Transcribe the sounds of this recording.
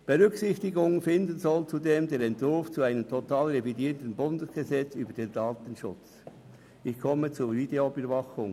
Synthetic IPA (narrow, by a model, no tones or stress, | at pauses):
b̥eʁʏksɪçtɪɡʊŋənfɪndənzɔlt͡sudeːmdeːɾɛntv̥ʊɾft͡suaɪnəmtʰotaːlʁevidiːɾtən̩bʊndəsɡ̥əzɛt͡syːbədeːndaːtən̩ʃʊ̰t͡s | ɪçkʰɔmət͡suvideobyɐvɑχʊŋ